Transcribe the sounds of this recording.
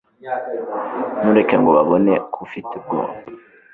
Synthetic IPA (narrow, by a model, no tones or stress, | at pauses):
nuɾekeŋɡoβaβonekʰufitub̚ɡo̰ːmba